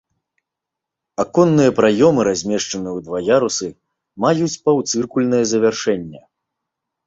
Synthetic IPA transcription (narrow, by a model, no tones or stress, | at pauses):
akɔnːɨjɐpɾajɔmɨɾazʲmʲɛʂt͡ʂɐnɨjwd̪vajaɾusɨ | majut͡sʲpawt̪sɨrkulʲnɐjɐzɐvʲarʂɛnʲːɛ